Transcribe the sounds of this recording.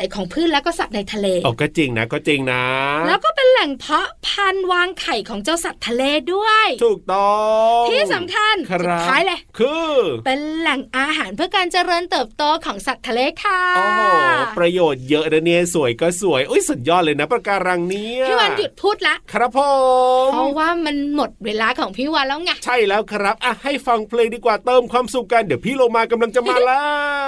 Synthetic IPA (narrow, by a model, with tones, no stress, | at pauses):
jkʰɔː˩˦ŋpʰɯː˥˩lɛ˦˥wkɔː˥˩sa˨˩t̪̚na˧jt̪ʰa˧leː˧ɔː˨˩kɔː˥˩t͡ɕe˧ŋna̰˦˥kɔː˥˩t͡ɕe˧ŋna˦lɛː˦˥wkɔː˥˩pe˧nlɛ˨˩ŋpʰɔ˦˥pʰa˧nwaː˧ŋkʰa˨˩jkʰɔː˩˦ŋt͡ɕa˧wsa˨˩t̪ʰːa˧leː˧du˥˩əjt̪ʰuː˨˩k̚t̪ɔ˧t̪ʰiː˥˩sa˨˩˦mkʰa˧n˩a˦˩kʰaː˦˥jle˧˩kʰɯː˧pe˧nlɛ˨˩ŋʔaː˧ɦaː˩˦npʰɯ˥˩ɐkaː˧nt͡ɕa˧ɾɤː˧nt̪ɤː˨˩p̚t̪oː˧kʰɔː˩˦ŋsa˨˩t̪ʰːa˧leː˧kʰa˧˩o˧ɦpɾa˧joː˨˩t̪̚jɤ˦˥ʔdaː˧neː˥˩su˨˩˦jkɔː˥˩su˨˩˦əjʔoː˧˥˩jsu˨˩ən̚jɔː˥˩t̪̚lɤː˧jna˦˥pɾa˧kaː˧ɾa˧ŋni˦˥ɐiː˥˩wa˧nju˨˩t̪̚pʰuː˥˩t̪̚la˦˥ʔkʰɾa˦˥pʰːo˨˩ɔ˧waː˥˩ma˧nmo˨˩t̪̚weː˧laː˧kʰɔː˩˦ŋpʰiː˥˩waː˧nlɛː˦˥wŋa˧˥˩ʔt͡ɕʰa˥˩jlɛː˦˥wkʰa˧ɾa˦˥p̚ʔa˧˩ha˥˩jfa˧ŋpʰleː˧ŋdiː˧kwaː˨˩t̪ɤː˧mkʰwaː˧msu˨˩kːa˧ndi˩˦wpʰiː˥˩lo˧ŋmaː˧ka˧mla˧ŋt͡ɕa˨ʔmaː˧˩laː˦˥